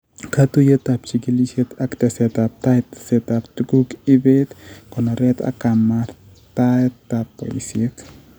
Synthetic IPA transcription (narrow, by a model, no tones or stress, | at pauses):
kat̪ujet̪ap̚t͡ʃiɡiliset̪akt̪eset̪ap̚t̪ajt̪set̪apt̪ukukibet̪konaɾet̪a̰kamaɾ | t̪ajt̪apːo̰isiek